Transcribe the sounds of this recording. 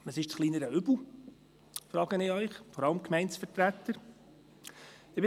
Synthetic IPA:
əsɪʃt͡sχliːnəɾəʏbl̩ˠ | fɾɑːɡənɪœʏχfɔɾɑləmkmɛɪntsfəɾtɾæt̪ːəɾ | ɪbɪ

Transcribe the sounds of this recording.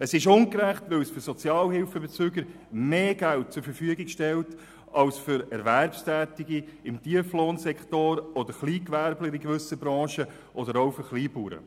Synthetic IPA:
əsɪʃʊŋkɾæχtʋɪlsfʏɾsɔt͡sjɑːlhɪlfəbet͡syːɡəɾ | meːɡælt̚t͡sʊɾfəɾfyəɡikʃtɛlt | ɑlsfʏɾɛɾvæɾpstæːtiɡiɪmtiəfloːnsɛkχtoːɾɔd̪əɾχliːkʋæɾbləɾikʋʏsəbɾɑ̃ːʃə | ʔɔd̪əɾoʊfʏɾχliːpuːɾə̰

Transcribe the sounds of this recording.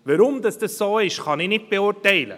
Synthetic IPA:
ʋəɾʊmd̪ɑsd̥əsːoːɪʃχɑnɪnɪt̚b̥eʊɾtɛɪlə̰

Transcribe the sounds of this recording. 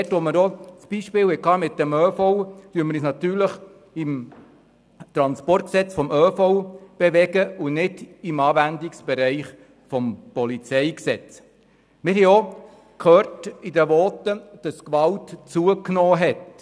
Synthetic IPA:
ɛtʋɔməɾɔt͡sb̥iʃpɪːwɛkɑːmɪtdɛmøːfɔʊtyəməɾiːsnɑt̪yːɾləχ | ɪm | t̪ɾɑnspɔrt̚ksɛt͡sfɔmøːfɔwb̥eʋɛɡəʊnɪdɪmɑːvændiksb̥ɛɾɛɪχ | fɔmpɔlit͡sɛɪksɛt͡s | mɪɾɦɛɔ | kʰhøːɾtidəʋɔːt̪ːəd̥ɑskʋɑltt͡suəknɔːɦɛt

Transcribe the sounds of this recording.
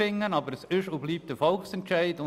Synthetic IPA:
ɪŋːənɑbəɾəsɪʃobliːp̚td̥əfɔlksɛntʃæɪdʊ

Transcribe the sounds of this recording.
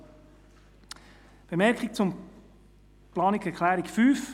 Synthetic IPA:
b̥emɛɾkχɪk̚t͡sʊm | plɑːnikɛɾkʰlæːɾikfyːf

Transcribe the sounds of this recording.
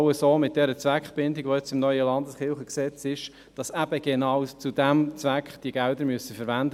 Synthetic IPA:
əsoːmɪt̚d̥ɛɾət͡svækχb̥ɪndɪɡʋojɛt͡sɪmnœʏəlɑndəsχɪlχəksɛt͡sɪʃ | d̥ɑsæb̥əɡ̥enɑwt͡sudæmt͡sʋækχd̥iəɡɛldəɾmyəsəfəɾʋændə

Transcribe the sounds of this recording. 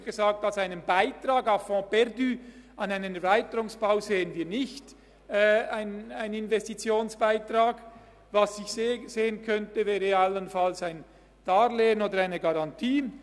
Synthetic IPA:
ɡ̥ezɑːk̚talsaɪnənbaɪtʁɑːɡɑfɔ̃ːb̥ɛʁdyɑnaɪnənɛɐʁvaɪtəɾʊŋsb̥aʊzeːənviːɐnɪçtː | aɪnaɪnɪnvɛstit͡sjoːnsb̥aɪtraːɡ | vɑsɪçszeːənkʰœntəvɛːʁəɑlənfɑlsaɪn | tɑːɾleːənoːdəɾaɪnəɡɑʁɑntʰiːn

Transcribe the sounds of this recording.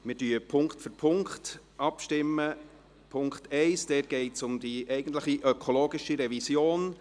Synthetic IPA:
mɪɾdyːəpʰʊŋktfʏɾpʰʊŋkt | ʔɑpʃtɪmːə | pʰʊŋkχtɛɪsd̥ɛːt̚ɡ̥ɛɪtsʊmd̥̪iʔɛɪɡən̩t̬ləχiʔœkʰoloːɡɪʃiɾɛvisjoːn

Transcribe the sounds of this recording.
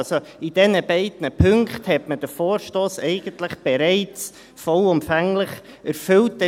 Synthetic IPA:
so | id̥ɛnəbɛɪdnəpʰʏŋkχthɛtməd̥əfoːɾʃtoːsɛɪɡ̥əntlɪχb̥ɛɾɛɪt͡s | fɔlʊmfæŋlɪχ | æɾfʏlt̚dɛ

